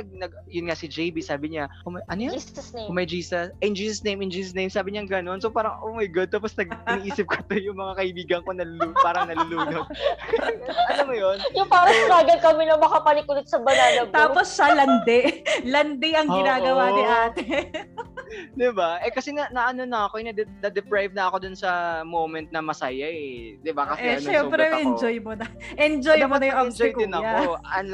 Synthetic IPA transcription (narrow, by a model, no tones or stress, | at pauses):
ɐɡ̚nɐɡ̚ | jʊnŋasɪd͡ʒejbisaːbɪɲakʊmɐʔɐnojʊmɐjd͡ʒiːsɐsɪnd͡ʒiːsɐsnejmɪnd͡ʒiːsɐs̬nejmsaːbɪɲaŋɡɐno̞nsopaːɾɐŋʔoːmɐjɡʊd̪̚aːposnɐɡ̚ɪniʔiːsɪp̚kʰɐ̥t̪ojʊŋmɐŋakɐʔɪbiːɡɐŋkonɐlʊlupaːɾɐŋnɐlʊluːnod̪̚ | ʔɐlɐmːʊjjonjʊŋpaːɾɐsʊnaːɡɐnkɐmɪnɐŋmɐkapɐnɪkʊlɪt̪sɐbɐnaːlɐbt̪aːposːɐlɐnd̪ɛʔlɐnd̪ɛʔɐŋɡɪnaːɡɐwaniʔaːt̪ɛ | d̪ɪbaʔɛkɐsɛnɐnɐʔɐnonɐɐkoɐjnɐd̪ɛnɐd̪ɛpɾajvnɐɐkod̪ʊnsɐmomɛnt̪̚nɐmɐsajɐd̪ɪbakɐsɛɐʃɛmpɾɛʔɛnd͡ʒojmonɐʔɛnd͡ʒojnɐmaɐnɐjʊŋʔɐd͡ʒɪjkd̪ɪnɐkaɐn